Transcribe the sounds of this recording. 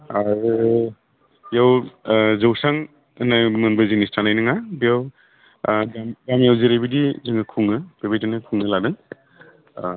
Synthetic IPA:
aɾɯ | jawzɯwsaŋ | najmɯnbɐzinistʰanajnɯŋabijaw | amɡamjawzeɾebidizɯŋɯkʰuŋɯb̥ebajtanɯkʰuŋɯladɯŋ

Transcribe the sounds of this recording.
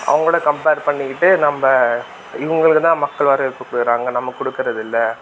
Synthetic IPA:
ʔɐ̰ʋɐŋɡɐɭoːɽɐkɐmpeːɾpɐɳːɪkːɪʈːɯnɐmːɐ | ɪʋɐŋɡɐɭɯkːɯt̪ãːmɐkːɐɭʋɐːɾɐɪɾɯt̪ːɯkːʊɽɯɾaːŋɡɐnɐmːɐkɔɽɯkːɯɾɐðɪlːɐ

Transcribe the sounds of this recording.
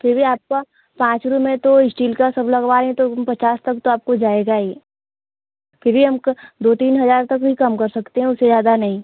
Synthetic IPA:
fʰɪɾbʱiaːp̚ka | pãːt͡ʃɾumẽt̪oɪsʈiːlkasɐblɐɡʋaːɾɦɛ̃t̪opɐt͡ʃaːst̪ɐkt̪oaːp̚kod͡ʒaːeːɡaeː | fʰɪɾbʱiɦɐmkd̪oːt̪iːnɦɐzaːɾt̪ɐkbʱikɐmkɐɾsɐkt̪eɦɛ̃ʊsːezjaːd̪anɐɦĩ

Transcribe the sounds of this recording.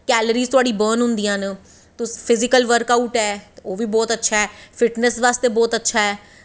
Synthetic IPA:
kɛːləɾiːzt̪ʊaːɖiːbəːnɦʊ̃nd̪ijãːnə | t̪ʊspʰɪzɪkəlʋəɾkauʈɛːoːʋiːbɔːt̪ətːʃʰaːɛːfʰɪʈnəsʋaːst̪eːbɔːt̪ətːʃʰaːɦɛː

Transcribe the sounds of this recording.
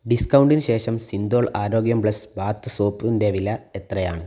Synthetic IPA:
ɖiskɐwɳɖinɨɕe̞ːʂɐmsind̪o̞ːɭaːɾo̞ːɡjɐmbɭɐsbaːt̪ːɨsoːprund̪eʋilɐet̪rɐjaːɳɨ

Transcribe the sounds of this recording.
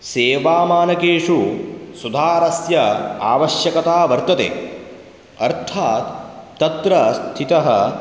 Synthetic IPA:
seːʋaːmaːnɐkeːʂusud̪ʱaːɾɐsjɐa̰ːʋɐʃjɐkɐt̪aːʋɐɾt̪ɐt̪ḛː | ɐɾt̪ʰaːt̪ː | ɐt̪ɾɐst̪ʰit̪ɐɦɐ̰

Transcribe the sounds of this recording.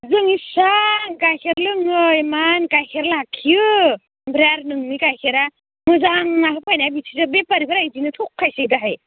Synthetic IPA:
zɯŋisaŋkajkʰeɾlɯŋɯjmankajkʰeɾlakʰːijɯ | bɾaɾnɯŋnikajkʰeɾa | mɯzaŋnaɦɯpʰajnabisʰizɯbepaɾibaɾajdinɯtʰukʰːajsedaɦaj

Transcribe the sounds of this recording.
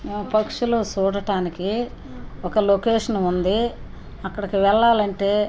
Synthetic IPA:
mɐpɐkʂuloːt͡ʃuːɽɐʈaːniki | ɔkɐlokeːʂɐnund̪i | ɐkːɐɽɐkiʋɛɭːaːlɐɳʈe̞ː

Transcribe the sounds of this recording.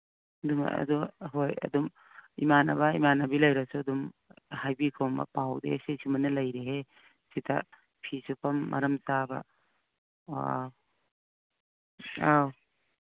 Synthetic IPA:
duma̰ɐ̰duɦojɐ̰dum | imanabɐimanabilɐjɾasuɐdumhajbikʰombɐ̰pawdḛsesimɐnɐlɐjɾeɦe | sitʰa̰ | pʰisupɐmːʔɐ̰ɾɐmsabɐ̰ | aw

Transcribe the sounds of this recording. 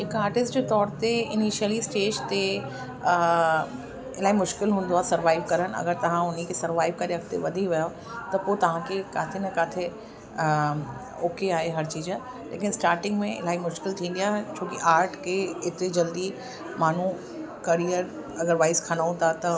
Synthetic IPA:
ɪkaːɾʈɪsd͡ʑeːt̪ɔːɾt̪eɪniʃiəlisʈeːd͡ʒt̪e | ɪlaːimʊʃkɪlɦũːn̆d̪oaːsɐɾʋaːɪʋkɐɾən̆ɐ̰ɡəɾt̪ɐʋ̤ãʊn̤ikʰesɐɾʋaːɪʋkɐɾiɐkt̪ḛʋɐd̪ʱiʋɐjo | t̪ɐpot̪ɐʋ̤ãkʰekaːt̪ʰenɐkaːt̪ʰe | oːkeaːɦeɦɐɾt͡ɕiːd͡ʑə̃ | lḛːkɪnɪsʈaːɾʈɪ̃ŋɡmẽɪ̰laːimʊʃkɪlt̪ʰĩːn̆d̪ijaːɦt͡ɕʰoːkiʔaːɾʈʰkeɪt̪ed͡ʑɐld̪i | maːn̤ũ | kɐɾijəɾ | ɐɡəɾʋaːɪskʰanaːũnt̪at̪ɐ

